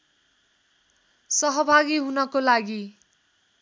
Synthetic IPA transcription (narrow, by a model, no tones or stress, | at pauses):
sʌɦʌbʱaɡiɦunʌkolaɡi